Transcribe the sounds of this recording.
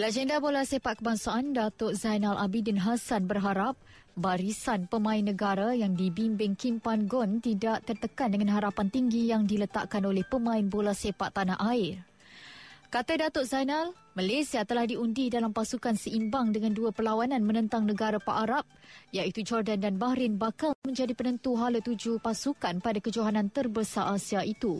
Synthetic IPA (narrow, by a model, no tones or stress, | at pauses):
lad͡ʒəndabolasepaʔ̪̚kəbaŋsaʔandat̪ʊʔzajnalʔabidinɦasanbərɦaɾap̚ | baɾisanpəmãɪnːə̃ɡaɾajaŋdibimbɪŋkimpanɡɔnt̪idaʔt̪ərt̪əkandəŋãnɦaɾapant̪iŋɡijaŋdilət̪a̰ʔkanolɛhpəmãɪnbolasepaʔt̪ːanaʔaɪr | kat̪adat̪ʊʔzajnal | malasiat̪əlahdiundidalampasukansəimbaŋdəŋãnduapəlawanãnmə̃nə̃nt̪aŋnəɡaɾapaʔaɾap̚jait̪ud͡ʒɔrdandanbahɾɪnbakalmə̃ɲd͡ʒadipənə̃nt̪uɦalət̪ud͡ʒupasukanpadakəd͡ʒoɦanãnt̪ərbəsaʔasiaʔit̪u